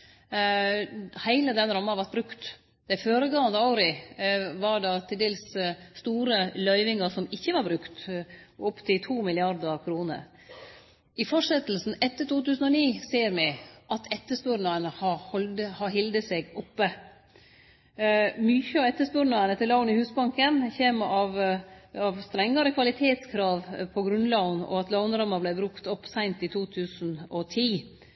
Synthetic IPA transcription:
hæɪləd̪ɛnɾɑmːənɑʋɑɾt̪̚bɾʉkt̪ | d̪̥æɪføːɾəɡɑːənd̪əɑʊɾɪʋɑɾɖɑt̪ʰɪld̪eːlsst̪uːɾəlœʏʋɪŋɑsɔmɪçːəʋɑɾbɾʉkt̪ʊpːt̪ʰɪlt̪ʰuːmɪlɪɑɾd̪əɾkʰɾuːnə̰ɾ | ɪfɔʂɛt̪l̩sn̩ɛt̪ːət̪uːt̪ʉːsn̩ɔniːseːɾmɛʔɑt̪ʰɛt̪ːəspʉːɾnɑənəhɑhɔləhɑɦɪld̪əseɡɔpːə | myçəɑɛt̪ːəspʉːɾnɑənət̪ʰɪlɑʊnɪhʉːsbɑŋkənçeːmɑʋɑʋst̪ɾɛŋːɑɾəkʰʋɑlɪt̪ʰeːt̪skʰɾɑːʋpʰɔɡɾʉnlɑʊnɔ̰ɑt̪lɑʊnɾɑmɑblæɪbɾʉkt̪ɔpːsæɪnt̪ɪt̪ʰuːt̪ʰʉːsn̩ɔt̪ʰiː

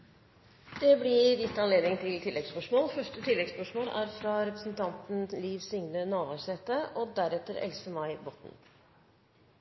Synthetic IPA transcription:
d̪̥ɛblɪd̪ɪt̪ːɑnleːd̪nɪŋt̪ʰɪlt̪ʰɪlːɛɡspœʂmoːlfœʂʈət̪ʰɪlːɛɡspœʂmoːlæɾfɾɑɾɛpɾəsn̩t̪ʰɑnt̪n̩liːʋsʏŋnənoːʋɑʂɛt̪əʔɔd̪æɾɛt̪ːəɾɛ̰lsəmɑɪbɔt̪n̩

